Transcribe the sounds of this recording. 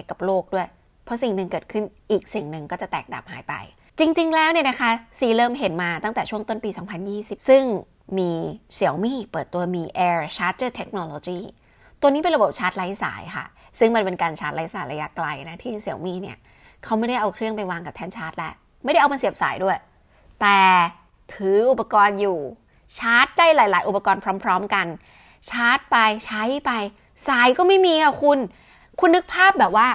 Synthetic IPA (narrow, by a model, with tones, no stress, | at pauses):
jka˨˩p̚loː˥˩k̚du˥˩əj | pʰɔ˦˥si˨˩ŋnɯ˨˧ŋkɤː˨˩t̪̚kʰɯ˥˩nʔiː˨˩k̚si˨˩ŋnɯ˨ŋkɔː˥˩t͡ɕa˨˩t̪ɛː˨˩k̚da̰˨˩p̚haː˩˦jpa̰˧j | t͡ɕi˧ŋt͡ɕi˧ŋlɛː˦˥wni˥˩əna˦˥kʰa˦˥siː˨˩lɤː˧˩mɦe˩˦nmaː˧t̪a˥˩ŋt̪ɛː˨˩t͡ɕʰu˥˩əŋt̪o˥˩npiː˧sɔː˩˦ŋpʰa˧njiː˥˩si˨˩sɯ˥˩ŋ | miː˧si˨˩˦əwmiː˥˩pɤː˨˩t̪ːu˧ɐmiː˧ʔɛː˧t͡ɕʰaː˦˥t͡ɕɤː˥˩t̪ʰe˦˥k̚noː˧lo˧t͡ɕiː˥˩ | t̪u˧əniː˦˥p̬e˧ɾa˧bo˨˩p̚t͡ɕʰaː˦˥t̪̚la˦˥jsa̰ː˩˦jkʰa̰˥˩sɯ˥˩ŋma˧npe˧nkaː˧nt͡ɕʰaː˦˥t̪̚la˦˥jsaː˩˦jɾa˧ja˦˥kla˧jna˦˥t̪ʰiː˥˩si˨˩˦əwmiː˥˩ni˦˥˩ɐ | kʰa˦˥wma˥˩jda˥˩jʔa˧wkʰɾɯ˥˩əŋpa˧jwaː˧ŋka˨˩t̪ʰɛː˥˩nt͡ɕʰaː˦˥t̪̚lɛ˦˥ʔ | ma˥˩jda˥˩jʔa˧pa˧nsi˨˩əp̚sa̰ː˩˦jdu˥˩əj | t̪ɛː˨˩ | t̪ʰɯː˨˩˦ʔu˨˩pa˧kɔː˧njuː˨˩ | t͡ɕʰaː˦˥t̪̚daː˥˩jlaː˩˦jlaː˩˦jʔu˨˩pa˧kɔː˧npʰɾɔː˦˥mpʰɾɔː˦˥mka˧n | t͡ɕʰaː˦˥t̪̚pa˧jt͡ɕʰa˦˥jpa˧j | saː˨˩˦jkɔː˥˩ma˥˩jmiː˧kʰa˥˩kʰu˧n | kʰu˧nːɯ˦˥k̚pʰaː˥˩p̚bɛː˨˩p̚waː˥˩